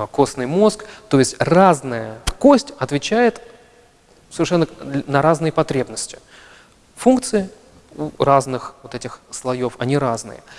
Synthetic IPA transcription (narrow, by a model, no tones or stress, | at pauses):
ko̞snɨjmo̞skt̪o̞jɪsʲtʲraznəjəko̞sʲtʲɐt̪vʲɪt͡ɕæjɪt̪ | səvʲɪrʂɛnːənəɾaznɨjəpɐt̪ɾʲe̞bnəsʲtʲɪ̥ | funk̚t̪sɨɪ | uraznɨxvot̪ɛtʲɪxslˠɐjo̞fɐnʲiɾaznɨ̰jə̰